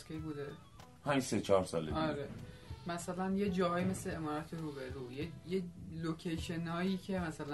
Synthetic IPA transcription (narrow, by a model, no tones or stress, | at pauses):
kʲʰebuːd̪e | pʰæmd͡ʒset͡ʃʰɒːɾsɒ̰lḛɒɾe | mæsælænje̞d͡ʒɒːɦɒːjime̞sleemɒːɾæt̪ʰe̞ɾuːbe̞ɾuːjejelocʰejʃe̞nɒːjiːcʰe̞mæsælæ